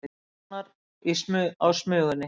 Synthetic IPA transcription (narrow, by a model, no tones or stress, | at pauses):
t̪naɾ | ismʏawsmœːɣʏnːɪ